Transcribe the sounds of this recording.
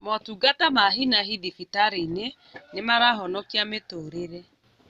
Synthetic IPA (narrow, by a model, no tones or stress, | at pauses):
mɔtuɡatamaɦinaɦidifitaɾine | nemaɾaɦɔnɔkiametoːɾeɾɛ